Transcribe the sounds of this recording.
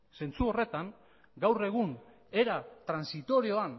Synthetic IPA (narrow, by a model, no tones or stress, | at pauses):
se̞nt͡suo̞re̞t̪aŋ | ɡawre̞ɣ̞un | e̞ɾat̪ɾansit̪o̞ɾio̞an